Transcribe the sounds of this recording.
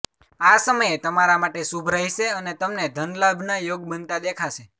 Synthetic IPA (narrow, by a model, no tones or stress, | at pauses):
asəməjet̪əmaɾamaʈesubʱɾajʃeənet̪əmned̪ʱənlabʱnajoɡ̚bənt̪ad̪ekʰaʃe